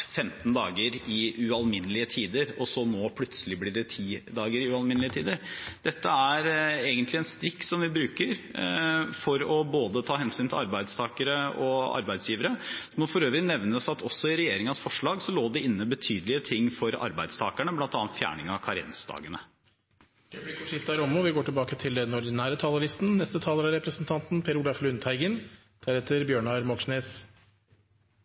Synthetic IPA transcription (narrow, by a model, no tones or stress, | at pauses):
fɛmt̪nd̪ɑ̰ːɡəɾɪʉɑlmɪnːəlɪət̪ʰiːd̪əɾɔsɔnoːpʰlʉt̪səlɪblɪɖɛt̪ʰiːd̪ɑːɡəɾɪʉɑlmɪnlɪət̪ʰḭːd̪əɾd̪̥ɛt̪ːəæɾeːɡənt̪lɪɛnst̪ɾɪkt̪sɔmʋɪbɾʉːkəɾ | fɔɾɔboːd̪ət̪ʰɑːɦɛnsyːnt̪ʰɪlɑɾbæɪd̪st̪ʰɑːkəɾəɔɑ̰ɾbæɪd̪sjiːʋəɾəsɔmɔfɔɾøːʋɾɪnɛʋnəsɑt̪ʰɔsɔɪɾɛjeːɾɪŋɑsfɔʂɭɑːɡsɔloːd̪ɛɪnːəbət̪ʰyːd̪əlɪət̪ʰɪŋːfɔɾɑ̰ɾbæɪd̪st̪ʰɑːkæɳəblɑnt̪ɑːnt̪fjæ̰ːɳɪŋɑkʰɑɾɪɛ̰nsd̪ɑ̰ːɡənə̥ | ɛbɪkɔʂɪft̪ɑɾɔmɔʋɪɡoːʈɪlbɑːkət̪ʰɪld̪ɛnɔɖ̪ɪnæːɾət̪ʰɑːləlɪst̪n̩nɛst̪ət̪ʰɑːləɾɑɾɛpɾəsənt̪ʰɑnt̪npʰeːɾulɑflʉnt̪ʰæɪɡən | d̪̥æɾheːt̪əɾbjøːɳɑɾmɔkʂneːs